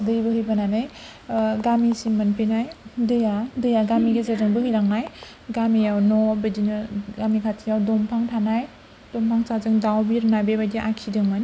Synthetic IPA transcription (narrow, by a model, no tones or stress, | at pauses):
dɯjbɯhɯjbananɯj | ɡamisimɯnpʰinajdɯjadɯjaɡamiɡezaɾɯŋbɯhɯjɾaŋnaj | ɡamijawnɔbɯdinɯɡamikʰatʰijawdɔmpʰaŋtʰanaj | d̥ɔmpʰaŋsazɯŋdawbiɾnajbebajdiʔakʰidɯŋmɯn